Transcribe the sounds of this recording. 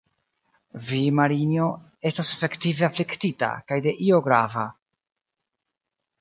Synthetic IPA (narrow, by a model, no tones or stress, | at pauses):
vimaɾinjo̞ | e̞stasefe̞ktiveafliktita̰kajde̞ʔio̞ɡɾava